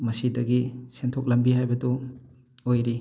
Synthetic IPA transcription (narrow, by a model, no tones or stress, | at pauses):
mɐsidɐɡisentʰok̚lɐmbiɦajbɐdu | ojɾi